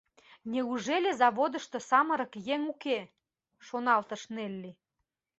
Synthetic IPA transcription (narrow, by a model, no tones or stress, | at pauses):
nʲeuʒelʲezɑβod̪ə̆ʃt̪osɑmə̆ɾə̆kjeŋuke | ʃonɑlt̪ə̆ʃnelʲːi